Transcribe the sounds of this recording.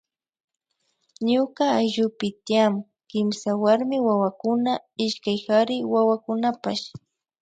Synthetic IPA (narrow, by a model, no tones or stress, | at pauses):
ɲʊkaːjʒʊpɪt̪ɪjam | kɪmsawaɾmɪwawakʊnaɪʃkajxaɾɪwawakʊnapaʃ